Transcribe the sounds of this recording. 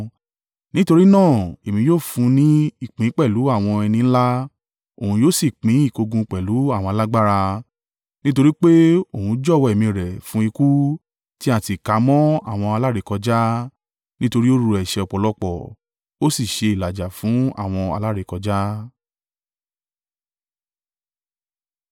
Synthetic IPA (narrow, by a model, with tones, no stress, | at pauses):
nĩ˦to˧ɾi˦nãː˦˨e˨mĩ˧joː˦˨fũ˧˦nĩ˦i˦˨k͡pĩ˨˦k͡pɛ˦˨lu˨˦a˦˨w̃ɔ̃˧ɛ˧nĩ˧ñ̩˦la˦ | o˦˨hũ˧joː˦˨si˦˨k͡pĩ˨˦i˦˨ko˧ɡũ˧k͡pɛ˨lu˨˦a˦˨w̃ɔ̃˧a˧la˦ɡ͡ba˦ɾa˧ | nĩ˦to˧ɾi˦k͡pe˦o˦˨hũ˧˦d͡ʒɔ˦˨wɔ˧˨ɛ˨mĩ˧˨ɾɛ˨fũ˨˦i˧ku˦ | ti˦a˦˨ti˨ka˨˦mɔ̃˦a˦˨w̃ɔ̃˧a˧la˦˨ɾe˧˦kɔ˧d͡ʒa˦ | nĩ˦to˧ɾi˦o˦ɾu˧ɛ˨ʃɛ˧ɔ˧˨k͡pɔ˨˧lɔ˦k͡pɔ˦˨ | o˦si˦˨ʃe˧i˨la˨d͡ʒa˨fũ˨˦a̰˦˨w̃ɔ̃˧a̰˧la˦ɾe˨˧kɔ˧d͡ʒa˦